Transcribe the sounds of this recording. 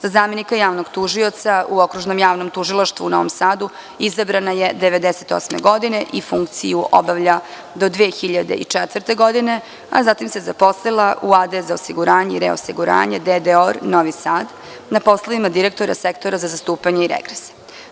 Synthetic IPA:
zazaːme̞nikajaːʋnoɡt̪uʒio̞t̪sauo̞kɾuʒnomjaːʋno̞mt̪uʒilˠaʃt̪ʋṵuno̞̰ʋo̰msaːd̪u | izabɾanajed̪eʋe̞d̪eset̪o̰smeɡo̞d̪ine̞ʔifuŋkt̪sḭjuʔobaʋʎa | d̪o̞d̪ʋeːxiʎad̪ḛʔḭt͡ʂɛt̪ʋɾt̪e̞ɡo̞d̪ine̞ | a̰zat̪imsezapo̞slˠelˠaʔuad̪ezaosiɡuɾaːɲeiɾeo̰siɡuɾa̰ːɲed̪ed̪eoɾnoʋisaːd̪ | napo̞slˠaʋimad̪iɾek̚t̪o̞ɾa̰sekt̪oɾazazast̪uːpaɲeiɾḛɡɾese̥

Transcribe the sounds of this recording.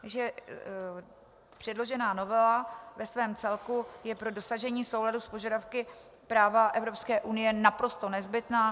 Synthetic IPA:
ʒɛ | pr̝̥ɛdlo̞ʒɛnaːno̞vɛlavɛsvɛːmt͡sɛlkujɛpɾo̞do̞saʒɛɲiːso̞wladuspo̞ʒadafkɪ | pɾaːvaʔɛvɾo̞pskɛːʔunɪjɛnapɾo̞st̪o̞nɛzbɪt̪naː

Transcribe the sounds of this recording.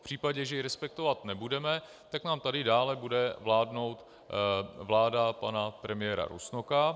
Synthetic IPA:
pr̥iːpaɟɛʒɛjɪɾɛspɛk̚t̪ovat̪nɛbudɛmɛ | t̪aknaːmt̪adɪdaːlɛbudɛvlaːdno̞wt̪ | vlaːdapanapɾɛmɪjɛːɾa̰ɾṵsnoka

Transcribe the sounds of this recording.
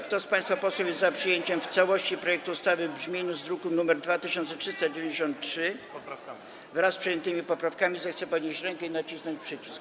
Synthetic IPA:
kt̪ɔspajst̪fapɔswɔwjɛzzapʂɘjeɲt͡ɕɛmft̪sawɔɕt͡ɕipɾɔjɛk̚t̪uːst̪avɘbʐmʲinuzd̪ɾukunumɛɾd̪vat̪ɘɕɔnt̪sɛtʂɘst̪ad͡ʑevʲɛ̃ɲd͡ʑeɕɔnt̪tʂɘ | vɾasːpʂɛjɛnt̪ɘmʲipɔpɾafkamʲizɛxt̪sɛpɔd̪ɲeɕt͡ɕɾɛŋkɛinat͡ɕisnɔɲt͡ɕpʂɘt͡ɕisk

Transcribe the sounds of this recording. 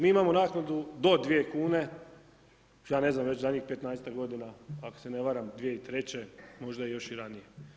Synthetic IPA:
miːimamo̞naːknad̪ud̪o̞d̪ʋije̞kuːne̞ | jaːne̞znamʋe̞t͡ɕzaɲiːxpet̪naest̪aɡo̞d̪inaako̥sene̞ʋaɾamd̪ʋijeit̪ɾe̞t͡ɕe̞mo̞ʒd̪ajejo̞ʃiɾanije

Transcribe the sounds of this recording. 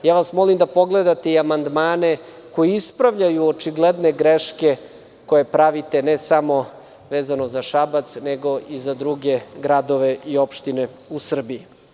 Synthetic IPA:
jaːʋasmo̞limd̪apo̞ɡled̪at̪eiamand̪maːne̞ | ko̞jiispɾaʋʎajuot͡ʃiɡled̪ne̞ɡɾeʃke̞ | ko̞je̞pɾaʋit̪e̞nesamo̞ | ʋeːzano̞zaʃabat̪sneɡo̞ʔizad̪ɾuɡe̞ɡɾad̪o̞ʋe̞ʔio̞pʃt̪ine | usr̩bii

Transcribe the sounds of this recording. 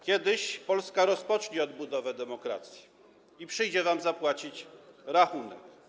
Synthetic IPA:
kʲjɛd̪ɘɕpɔlskaɾɔspɔt͡ʂɲiɔd̪bud̪ɔvɛd̪ɛmɔkɾa̰t̪sʲji̥ | ipʂɘjd͡ʑɛvamzapwat͡ɕit͡ɕɾaxunɛ̰k

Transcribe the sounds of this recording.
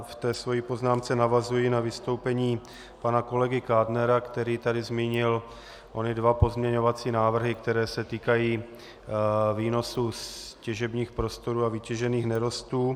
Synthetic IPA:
ft̪ɛːsvo̞jipo̞znaːmt͡sɛnavazujɪnavɪst̪o̞wpɛɲiː | panako̞lɛɡɪkaːdnɛɾakt̪ɛɾiːt̪adɪzmiːɲɪl | ʔonɪdvapo̞zmɲɛɲo̞vat͡siːnaːvr̩ɦɪkt̪ɛɾɛːsɛt̪iːkajiː | viːnosuscɛʒɛbɲiːxpɾo̞st̪o̞ɾuːavɪcɛʒɛniːxnɛɾo̞st̪uː

